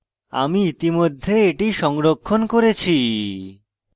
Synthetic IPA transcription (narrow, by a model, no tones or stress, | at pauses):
a̰miit̪imod̪ʱːeeʈiʃɔŋɾokʰːonkoɾet͡ɕʰi